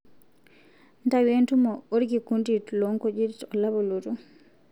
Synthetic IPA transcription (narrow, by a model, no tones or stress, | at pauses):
ntawentumɔoɾɡikunditlɔŋkɔd͡ʒitɔlaβɔlotu